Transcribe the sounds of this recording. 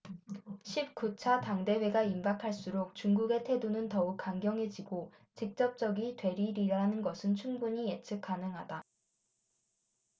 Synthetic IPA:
ɕʰip̚kut͡ɕʰataŋde̞we̞ɡaimbakʰaɭs͈uɾok̚t͡ɕuŋɡuɡe̞tʰe̞donɯntʌuk̚k͈ːaŋɡjʌŋɦe̞d͡ʑiɡo | t͡ɕik̚t͡ɕ͈ʌp̚t͡ɕ͈ʌɡitwe̞ɾiɾiɾaɦnɯnɡʌsʰɯnt͡ɕʰuŋbuɲiet͡ɕʰɯk͈̚anɯŋɦada

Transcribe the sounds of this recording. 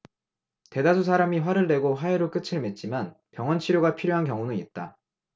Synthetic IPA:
te̞das̬ʰusʰaɾamiɸwaɾɯɭde̞ɡoɸaeɾok͈ɯt͡ɕʰɯɭmet̚t͡ɕ͈iman | pjʌŋwʌnt͡ɕʰiɾjoɡapʰiɾjoɦankjʌŋunɯŋit̚t͈a

